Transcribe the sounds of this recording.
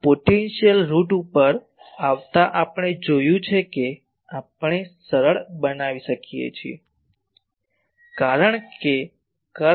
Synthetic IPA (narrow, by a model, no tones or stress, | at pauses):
poʈenʃijəlɾuʈupəɾ | aʋt̪aʔapɳ̃ed͡ʒojũt͡ʃʰeke | apɳ̃esəɾəɭbənaʋiʃəkijḛt͡ʃʰiḛ | kaɾəɳ̃ke | kə